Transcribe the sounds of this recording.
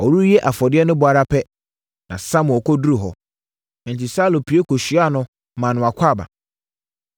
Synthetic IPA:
ɔ˨ɾu˦jɛ˦ʔa˨fɔ˨dɪ˦ɛ˦nʊ̃˦bʊ˨a˨ɾa˦pʰɛ˦ | nã˨sã˦mʊ̃˨ɔ˨kʰɔ˦du˦ɾu˨ɦɔ˨ | n̩˨ti˨sa˦lo˨pʰi˨˦e˦kʰo˨ɕi˨˦a˦˨nʊ̃˦ | mã˨nʊ̃˨a˨kʷʰa˦˨ba̰˨

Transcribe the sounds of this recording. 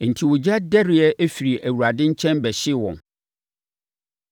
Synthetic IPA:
n̩˨tʰi˨wʊ˨d͡ʑa˦dɛ˦ɾɪ˨˦ɛ˦ʔæ˦fi˨ɾi˨ʔæ˨wu˨ɾa˨dɪ̃˦ɲ̩˦t͡ɕʰɛ̃˦nbɛ˨ɕɪ˦wɔ̰̃˨n

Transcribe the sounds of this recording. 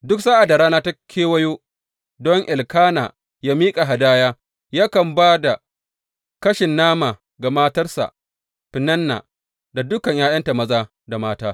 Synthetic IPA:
dʊ˦ksa˦ʔa˨da˨ɾaː˦naː˦ta˦kʲʰeː˦wɐ˦joː˦ | dɔ˦ŋʔɪ˨lkaː˦naː˨ | jaː˦miː˦kʼa˨ɦa˨daː˦jaː˦ | jaː˦kɐ˨mbaː˦da˨ | kɐ˦ʃɪ˨nːaː˦maː˨ | ɡa˨maː˦tɐ˦rsa̰˨ | ɸɪ˨nɐ˦nːa̰ː˨ | da˨dʊ˦kɐ˨ɲjaː˦j̰ɐ˦nta˨mɐ˦zaː˦ | da˨maː˦taː˦

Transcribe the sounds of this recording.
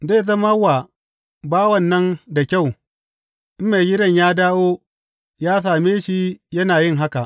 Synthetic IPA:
zeː˦˨zɐ˦ma˦wa˨ | baː˦wɐ˨nːɐ˦nda˨kʲa˦˨w | ʔɪ˦me˨ɡʲɪ˦ɽɐ˦˨ɲjaː˦daː˦woː˦ | jaː˦s̬aː˨meː˦ʃi˦jɐ˦naː˨jɪ˦ŋɦa˦ka˨ʔ

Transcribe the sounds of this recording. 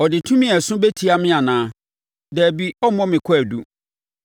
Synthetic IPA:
ɔ˨dɪ˨tʰũ˦mɪ̃˦ɛ˨sʊ̃˦be˦tʰi˨˦a˨mɪ̃˦a˨nãː˦ | dɛ˨bi˦ɔ˦mɔ̃˦mɪ̃˨kʷʰæ˨du˦

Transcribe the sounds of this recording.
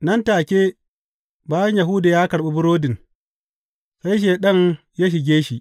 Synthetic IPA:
nɐ˦ntaː˨kʲeː˦ | baː˦jɐ˦ɲja˨ɦʊ˦da˨jaː˦kɐ˨ɽɓe˦bʊ˦ɽoː˦dɪ˨n | sa˦jʃ̬eː˨ɗɐ˦ŋ | jaː˦ʃ̬ɪ˨ɡʲeː˦ʃi˨ʔ

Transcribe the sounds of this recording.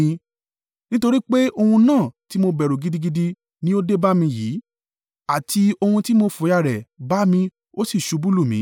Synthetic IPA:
nĩ˦to˧ɾi˦k͡pe˦o˧hũ˧nãː˦˨ti˦mo˧bɛ˨ɾo˨ɡi˨˧di˧ɡi˧di˧ | nĩ˦o˦de˦ba˦mĩ˧jiː˨˦ | a˦˨ti˧o˧hũ˧ti˦mo˧fo˨˦ja˧˨ɾɛ˨ba˨˦mĩ˧ | o˦si˦˨ʃu˨˦bu˦˨lu˦˨mĩ˨˦

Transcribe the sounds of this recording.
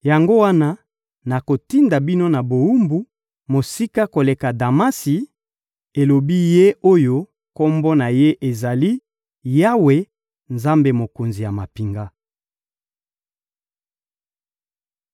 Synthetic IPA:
ja˨ŋɡo˦wa˦na˦ | na˨ko˨ti˦nda˨bi˦no˦na˨bo˨u˦mbu˦ | mo˨si˦ka˦ko˨le˨ka˨da˨ma˦si˨ | e˨lo˨bi˦je˦o˦jo˦ | ko˦mbɔ˦na˨je˦ʔe˨za˨li˦ | ja˦we˨ | nza˦mbe˨mo˨ko˨nzi˨ja˨ma˨pi˨ŋɡa˦

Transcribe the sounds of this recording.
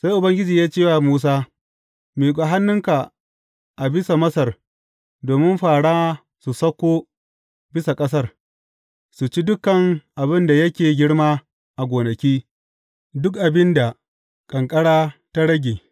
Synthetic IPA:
sa˦jʔʊ˨bɐ˦ŋɡʲɪ˦d͡ʒiː˨jaː˦t͡ʃeː˦˨waː˨muː˦s̬aː˦ | meː˨kʷʼa˨ɦa˦nːʊ˦ŋka˨ | ʔa˨bɪ˦sa˨mɐ˦sɐ˦˨r | doː˨mɪ˦mɸaː˨ɽaː˦ | su˨sɐ˦kʷːoː˦ | bɪ˦sa˨kʼɐ˦sɐ˦˨r | su˨t͡ʃi˦dʊ˦kːɐ˨ŋʔa˨bɪ˦nda˨jɐ˦kʲeː˨ɡʲɪ˦ɽmaː˦ | ʔa˨ɡʷoː˨nɐ˨kʲiː˦ | dʊ˦kʔa˨bɪ˦nda˨ | kʼɐ˨ŋkʼɐ˦ɽaː˦ta˦ɽɐ˦ɡʲeː˨

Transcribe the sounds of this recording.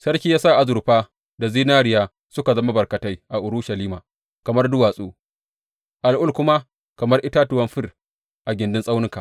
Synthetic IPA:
sɐ˦rkʲiː˦jaː˦sa˦˨ʔa˨zʊ˨ɾɸaː˦ | da˨ziː˦naː˦ɾɪ˨jaː˦ | sʊ˦ka˨zɐ˦ma˦bɐ˨rkɐ˨ta˦jʔa˨ʔʊ˨ɾʊ˦ʃɐ˨liː˦maː˨ | kɐ˨mɐ˦rdʊ˦waː˨sʼoː˦ | ʔa˨lʔʊ˦˨lkʊ˦ma˦ | kɐ˨mɐ˦rʔɪ˦ta˦tʊ˨wɐ˦mɸɪ˦r | ʔa˨ɡʲɪ˨ndɪ˦nsʼa˦wnɪ˦ŋka˨

